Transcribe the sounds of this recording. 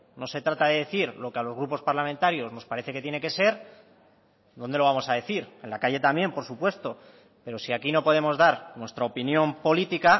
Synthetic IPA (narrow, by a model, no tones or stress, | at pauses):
no̞se̞t̪ɾat̪aðe̞ðe̞θiɾlo̞kealo̞zɣɾupo̞spaɾlamẽnt̪aɾjo̞zno̞spaɾe̞θe̞ke̞t̪jene̞ke̞se̞ɾ | d̪o̞nd̪eloamo̞saðe̞θiɾe̞nlakaʝe̞t̪ambje̞mpo̞ɾsupwe̞st̪o̞ | pe̞ɾo̞siakino̞po̞ð̞e̞mo̞zðaɾnwe̞st̪ɾaopinjõ̞mpo̞lit̪ika